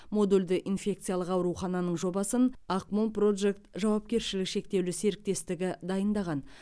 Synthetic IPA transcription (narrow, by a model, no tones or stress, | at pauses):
mo̞d̪uld̪ɪʔinfʲe̞k̚t̪sɨjalˠəqɑwɾuχɑnɑnəɴʒo̞bɑsənɑqmonpro̞d̪ʒekt̪ʒɑwɑp̚kʲe̞ɾʃɪlɪkʃe̞k̚t̪e̞wlɪse̞ɾɪk̚t̪e̞st̪ɪɡʲɪd̪ɑjənd̪ɑʁɑn